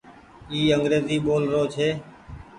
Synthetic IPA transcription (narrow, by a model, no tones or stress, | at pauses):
iːəŋɡɾeːziːɓoːlɾoːt͡ʃʰeː